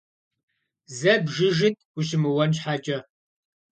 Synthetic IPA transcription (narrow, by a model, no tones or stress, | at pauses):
zɐbʒɪʒɪtʰʼʷʊɕ̬ɪmɨwɐnɕħat͡ʃʼɐ